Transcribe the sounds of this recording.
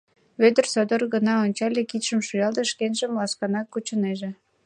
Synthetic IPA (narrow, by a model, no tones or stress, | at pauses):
βød̪ərsod̪orɣənɑonʲt͡ɕɑlʲekit̪ʃə̆mʃujɑld̪ə̆ʃkenʒə̆mlɑskɑnɑkːut͡ɕəneʒe